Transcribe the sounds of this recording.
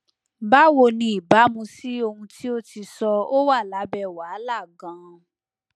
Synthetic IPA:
ba˦wo˧˨nĩ˧˦i˨ba˨˦mũ˧si˦o˧hũ˧tʰi˦o˦ti˧sɔ˧o˦wa˦˨la˨˦bɛ˧˨wa˨˦la˦˨ɡã˨˦

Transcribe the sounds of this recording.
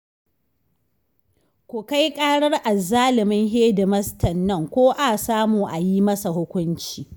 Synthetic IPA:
kʷʊ˨ka˦jkʼaː˦ɽɐ˦rʔa˨zaː˦lɪ˨mɪ˦ŋɦeː˦dɪ˨mɐ˦stɐ˨nːɐ˦˨ŋkʷoː˦ʔa˨saː˦muː˨ʔa˨ji˦mɐ˦sa˨hʊ˦kʷʊ˦nt͡ʃiː˨

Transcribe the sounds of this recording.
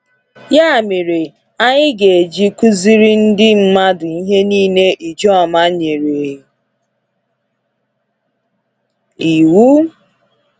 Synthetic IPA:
ja˦˨me˨ɾe˨ | a˦ɲɪ˦ɡe˨d͡ʒi˦ku˦zi˦ɾi˦n̩˦dɪ˦m̩˦ma˦dʊ˨i˦ɦe˦niː˦ne˦ʔi˨d͡ʒɔ˦ɔ˨ma˦ɲe˨ɾe˨˦ | i˨wu˦

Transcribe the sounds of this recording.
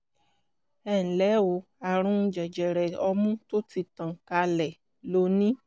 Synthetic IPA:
ɛ˦˨ñ̩˨lɛ˨˦o˨˧˦ | a˨ɾ̃ũ˦˧d͡ʒɛ˨d͡ʒɛ˨ɾɛ˨ɔ˧mũ˦to˦ti˧tã˨ka˧lɛ˨ | lo˨˦nĩ˦

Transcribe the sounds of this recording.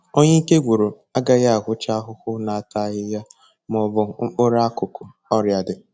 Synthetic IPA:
o˦ɲe˦i˦ke˦ɡʷu˨ɾo˨ | a˦ɡa˦ɣa˦a˨ɦʊ˦t͡ʃa˦ɦʊ˦xʊ˦na˨a˨ta˦ɣɪ˦ja˦ | m˦ɔ˨bʊ˨ŋ͡m̩˦k͡pʊ˦ɾa˦a˦kʊ˨kʊ˨ | ɔ˦ɾja˨dɪ˨

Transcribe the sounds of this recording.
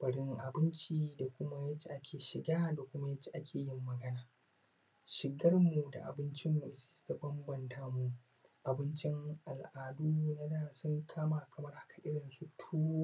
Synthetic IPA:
b̥ɐ˨ɽɪ˦ŋʔa˨bɪ˦nt͡ʃiː˦da˨kʷʊ˦ma˦jɐ˦t͡ʃːi˨ʔa˦kʲʰeː˨ʃɪ˨ɡaː˦da˨kʷʊ˦ma˦jɐ˦t͡ʃːi̥˦˨ʔa˦kʲʰeː˨jɪ˦mːɐ˨ɡɐ˦naː˨ | ʃɪ˨ɡɐ˦rmu˨da̰˨ʔa̰˨bɪ˦nt͡ʃɪ˦mːu˨ʔɪ˦si̥˦si̥˨ta˦bɐ˦mbɐ˨ntaː˦mu˨ | ʔa˨bɪ˦nt͡ʃɪ˦ŋʔa˨lʔaː˨duː˦˨na˦daː˨sʊ˦ŋkʰaː˦ma˨kʰɐ˨mɐ˦rhḁ˦kʰa˨ʔɪ˦ɽɪ˨nsu˦tʰuː˦o˦

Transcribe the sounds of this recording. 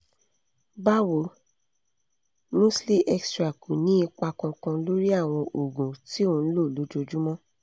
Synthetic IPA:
ba˦˨wo˨ | mũ˦sli˦ʔɛ˦kstɾa˨ku˨nĩ˦i˧k͡pa˧kɔ̃˧kã˧lo˦ɾi˦a˦˨w̃ɔ̃˧ʔo˨ɡũ˨ti˨˦o˦˧n̩˦lo˦˨lo˨˦d͡ʒo˧d͡ʒu˦mɔ̃˦

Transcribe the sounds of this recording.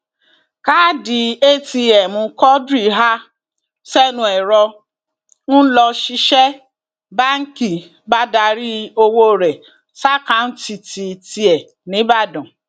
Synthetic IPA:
ka˦di˧e˦ti˧ɛ˨mũ˧kɔ˦dɾi˦˨ɦa˦ | sɛ˦nũ˧ɛ˨ɾɔ˧ | ñ̩˦lɔ˧ʃi˧ʃɛ˦ | ba˦ŋ̩˦ki˨ | ba˦da˧ɾi˦o˧wo˦˨ɾɛ˨ | sa˦kã˨˦n̩˦ti˧ti˧ti˧ɛ˨ | nĩ˨˦ba˦˨dɔ̃˨

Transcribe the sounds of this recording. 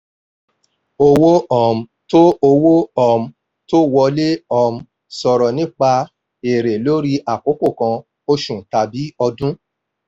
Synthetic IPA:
o˧wo˦ɔ˨m̩̃˨ | to˦o˧wo˦ɔ˦˨m̩˧ | to˦wɔ˧le˦ɔ˧m̩˧ | sɔ˨ɾɔ˨nĩ˦k͡pa˧ | e˨ɾe˨lo˦ɾi˧˦ʔa˨ko˨˦ko˦˨kã˧ | o˧ʃũ˨ta˨bi˨˦ɔ˧dũ˦

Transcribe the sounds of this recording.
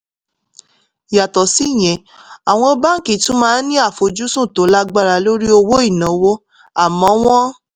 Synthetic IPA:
ja˨tɔ˨si˦˨j̃ɛ̃˨ | a˨w̃ɔ̃˧˦ba˦ŋ̩˦ki˨tũ˦mãː˦˧˦nĩ˦a˦˨fo˨d͡ʒu˦sũ˦˨to˨˦la˦ɡ͡ba˦ɾa˧lo˦ɾi˦o˧wo˦i˦˨nã˨˦wo˦ | a˦˨mɔ̃˨˦w̃ɔ̃˦

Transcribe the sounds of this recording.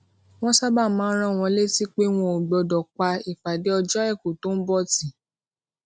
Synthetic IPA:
w̃ɔ̃˦sa˦ba˦˨mãː˨˦ɾ̃ã˦˨w̃ɔ̃˧˦le˦ti˦k͡pe˦w̃ɔ̃˧o˨ɡ͡bɔ˨˧dɔ˨k͡pa˧i˨fa˨de˨˦ɔ˧d͡ʒɔ˦ɛ˦˨ku˨to˦n̩˦bɔ˦˨ti˨

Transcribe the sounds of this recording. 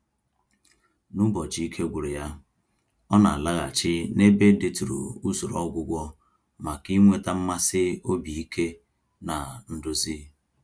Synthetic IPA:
nʊ˦bɔ˨d͡ʒi˨i˦kʰe˦ɡʷu˨ɾe˨ja˦ | ɔ˦na̰˨a˨la˦ɣa̰˨t͡ʃɪ˦ne˦be˦n˦dɪ˦tu˨ɾṵ˨u˦zu˨ɾɔ˦ɡʷʊ˦ɡʷɔ˦ | ma˨ki˦ŋʷe˦ta˦m̩˦ma˦sɪ˦o˦bi˨i˦kʰe˦ | na˨n̩˦dʊ˦zi˦

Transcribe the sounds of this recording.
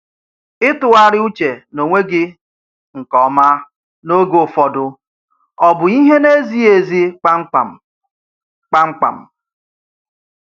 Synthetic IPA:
ɪ˦tʊ˨a˦ɾɪ˦u˦t͡ʃe˨no˨ŋʷe˦ɡɪ˦ | ŋ̩˨kɔ˨ma˦ | no˦ɡo˨fɔ˨dʊ˦ | ɔ˦bʊ˨i˦ɦe˦ne˦zi˦e˨zi˦˨ | k͡pa˦ŋ͡m̩˦k͡pa̰˨m̩˨

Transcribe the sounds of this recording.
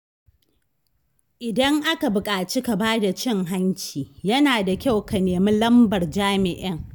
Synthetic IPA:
ʔɪ˨dɐ˦ŋʔa˦ka˨bʊ˨kʼaː˨t͡ʃi˦ka˨baː˦da˨t͡ʃɪ˦ŋɦa˦ɲkʲiː˨jɐ˦naː˨da˨kʲa˦wka˨neː˨mi˦lɐ˦mbɐ˨rd͡ʒaː˦mɪ˨ʔɪ˦ŋ

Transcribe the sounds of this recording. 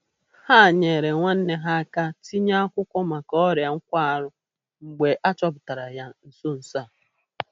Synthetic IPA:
ha˦˨ɲe˨ɾe˨ŋʷa˦n̩˦ne˦ɦa˦a˦ka˦ti˦ɲa˦a˦kʷʊ˦kʷɔ˦ma˨kɔ˦ɾja˨ŋ̩˦kʷa˦a˨ɾʊ˦ | ŋ͡m̩˨ɡ͡be˨ʔa˦t͡ʃɔ˦bʊ˨ta˨ɾa˨ja˦n̩˨so˦n̩˨sa˦˨

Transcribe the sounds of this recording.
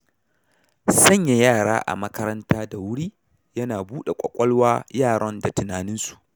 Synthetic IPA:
sɐ˦ɲja˨jaː˦˨ɽa̰ː˦ʔa̰˨mɐ˦kɐ˦ɾɐ˦ntaː˦da˨wʊ˦ɽiː˦ | jɐ˦naː˨buː˦ɗe˨kʷʼɐ˨kʷʼɔ˦lwaː˦jaː˦˨ɽɔ˦nda˨tʊ˨naː˨nɪ˦nsu̥˨ʔ

